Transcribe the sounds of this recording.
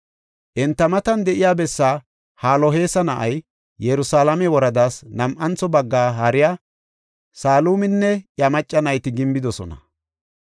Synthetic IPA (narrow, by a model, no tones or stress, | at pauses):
ʔɛnt̪ːɐmɐt̪ɐnd̪ɛʔɪjaːbɛsːaː | haːlɔɦe̞ːsɐnɐʔɐj | jɛɾʊsaːlɐmɛwɔɾɐd̪aːsnɐmʔɐnt͡sːɔbɐɡːaːhɐɾɪjaː | saːluːmɪnːɛʔjɐmɐt͡ʃʼːɐnɐjt̪ɪɡɪmbɪd̪ɔsɔ̰nɐ̰